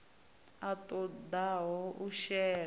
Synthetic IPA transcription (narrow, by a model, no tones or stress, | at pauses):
atʼɔd̪aɦɔʔuʃɛ